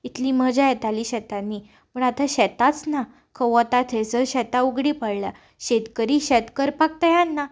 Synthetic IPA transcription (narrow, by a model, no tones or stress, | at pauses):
it̪ʰliməd͡ʑajɛt̪aliːɕɛt̪anːi | pəɳat̪aɕɛt̪at͡sna | kʰəʋət̪at̪ʰed͡zəɕɛt̪auɡɽiːpəɽla | ɕet̪kəɾiːɕɛt̪kəɾpak̚t̪əjãnːa